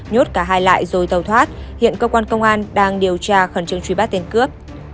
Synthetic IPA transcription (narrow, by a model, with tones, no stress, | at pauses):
ɲo˦˥t̚kaː˧˩ɦaː˧jla̰ː˧˨jzo˨˩jt̪ə˨˩wt̪ʰwaː˦˥t̚hḭ˧˨ənkəː˧kwaː˧nkə˧wŋ͡mʔaː˧nɗaː˧ŋɗi˨˩əwt͡ɕaː˧xə˧˩nt͡ɕɨ˧əŋt͡ɕwi˧˩ɓa˦˥t̪̚e˧nkɨ˦˥əp̚